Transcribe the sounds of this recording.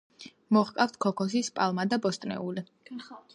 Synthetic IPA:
mɔχkʼaft̪ʰkʰɔkʰɔs̬ispʼalˠmad̪abɔst̪ʼnɛ̰uli

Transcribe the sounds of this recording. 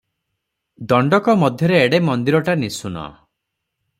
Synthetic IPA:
d̪ɔɳɖɔkɔmɔd̪ʱjɔɾeːɽemɔnd̪iɾɔʈanisunɔ̰

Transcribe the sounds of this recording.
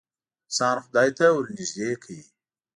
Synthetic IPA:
sɑːnxʊd̪ɑːjt̪awʊɾnizd̪eːkʰaji

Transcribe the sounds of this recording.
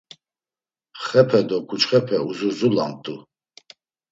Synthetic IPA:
χɛpʰɛd̪ɔkʰut͡ʃχɛpʰɛuzuzula̰mt̪ʼu

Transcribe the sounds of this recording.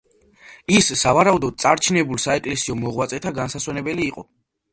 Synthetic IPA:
isːavaɾaud̪ɔd̪̚t̪sʼaɾt͡ʃʰnɛbulˠsaɛkʼlɛsiɔmɔʁwat̪sʼɛt̪ʰaɡansaswɛnɛbɛliːqʼɔ

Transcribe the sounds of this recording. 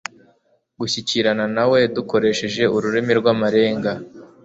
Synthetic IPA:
ɡuçiciɾananawe̞duko̞ɾe̞ʃe̞ʒe̞uɾuɾemiɾɡwamaɾe̞ːŋɡa

